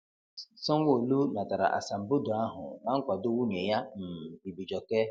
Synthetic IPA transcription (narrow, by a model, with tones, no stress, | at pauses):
sɔ˦ŋ˦wʷo˦˨lu˦na˨ta˨ɾa̰˨ʔa̰˨sa˨m̩˨bo˦do˨a˦ɦʊ̰˨na˦ŋ̩˦kʷa˨do˦wu˦ne˨ja˦m̩˨bi˨bi˨d͡ʒɔ˨ke˦